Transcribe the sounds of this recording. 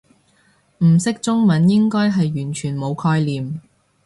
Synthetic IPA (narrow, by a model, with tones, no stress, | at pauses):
m̩˨˩sɪ˥k̚t͡sʊ˥ŋmɐ˨˧˥njɪ˥ŋkɔː˥jɦɐ˨jːyː˨˩nt͡ʃʰyː˨˩nmo˨˧wkʰɔː˧jliː˨m